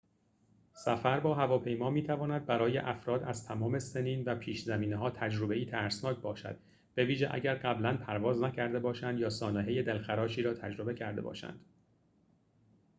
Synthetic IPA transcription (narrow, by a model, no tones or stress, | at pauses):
sæfæɾbɒːɦævɒːpʰe̞jmɒːmiːt̪ʰævɒːnæd̪̚bæɾɒːjḛʔæfɾɒːd̪æz̥t̪ʰæmɒːme̞seniːnvæpʰiːʃzæmiːneɦɒːt̪ʰæd͡ʒɾobe̞iːt̪ʰæɾsnɒːcʰbɒːʃæ̰d̪̥ | b̥e̞viːʒeʔæ̰ɟæɾɢæblænpʰæɾvɒːznæcʰæɾd̪e̞bɒːʃænd̪jɒːsɒːneɦeje̞d̪elxæɾɒːʃiːɾɒːt̪ʰæd͡ʒɾo̞be̞cʰæɾd̪e̞̰bɒ̰ːʃæ̰nd̪̥